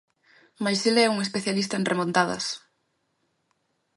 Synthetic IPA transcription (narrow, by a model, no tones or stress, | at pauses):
majsilɛuŋespeθjalist̪ɐenrʔemõnt̪aðɐ̰s